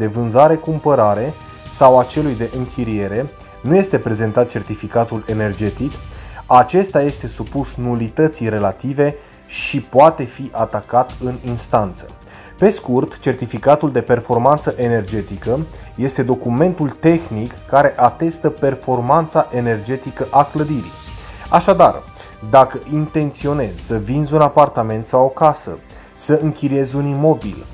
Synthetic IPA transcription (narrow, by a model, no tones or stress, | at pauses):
d̪e̞vɨnzaɾe̞kumpəɾaɾe̞ | sawat͡ʃe̞lujd̪e̞ʔɨŋkʰʲiɾije̞ɾe̞ | nuje̞st̪e̞pɾe̞ze̞nt̪at̪̚t͡ʃe̞rt̪ifikat̪ule̞ne̞rd͡ʒe̞t̪ikat͡ʃe̞st̪aje̞st̪e̞supusnulit̪ət̪sijre̞lat̪ive̞ | ʃipoat̪e̞fiʔat̪akat̪ɨninst̪ant̪sə̥̰ | pe̞skurt̪t͡ʃe̞rt̪ifikat̪uld̪e̞pe̞rfo̞rmant̪səʔe̞ne̞rd͡ʒe̞t̪ikə | je̞st̪e̞d̪o̞kume̞nt̪ult̪e̞xnikːaɾe̞ʔat̪e̞st̪əpe̞rfo̞rmant̪saʔe̞ne̞rd͡ʒe̞t̪ikəʔakləd̪iɾḭaʃad̪ar | d̪akəʔint̪e̞nt̪sio̞ne̞z̥səvinzunapart̪ame̞nt̪sawo̞kasə̰ | səɨŋkʲiɾie̞zunimo̞bḭl